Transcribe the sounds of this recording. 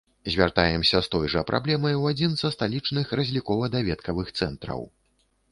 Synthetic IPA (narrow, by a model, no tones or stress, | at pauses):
zʲvʲart̪ajɛmsʲɐst̪ɔjʐɐpɾʔa̰blʲɛmɐjwad͡zʲinzɐst̪alʲit͡ʂnɨxrɐzʲlʲikɔvɐd̪avʲɛt̪kɐvɨxt̪sɛnt̪ɾɐ̰w